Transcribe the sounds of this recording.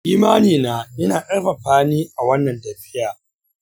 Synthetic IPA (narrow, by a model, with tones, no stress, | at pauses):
ʔiː˦maː˦niː˨naː˦ʔɪ˦naː˨ʔʼɐ˦rɸa˨ɸaː˦niː˦ʔa˨wɐ˦nːɐ˨ntɐ˨ɸɪ˦jaː˨